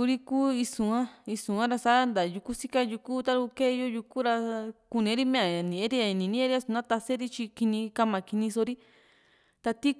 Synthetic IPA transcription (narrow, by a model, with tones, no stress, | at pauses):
u˧ɾi˦kuː˦i˧sũ˨ã˦i˧sũ˨ã˦ɾa˧sa˦nd̪a˨˧ju˧ku˦si˦ka˦ju˧ku˦t̪a˦ɾu˧ke˦˧jo˦ju˧ku˦ɾa˧ku˧nĩ˧˦ɾi˦mẽ˦a˨a˨nĩ˨ẽ˦ɾi˦a˧i˧nĩ˨nĩ˦ẽ˦ɾi˦a˧su˧nã˦t̪a˧se˦ɾi˦t͡ʃi˧ki˧nĩ˧ka˧mã˨ki˧nĩ˧so˧ɾi˦ | t̪a˧t̪i˦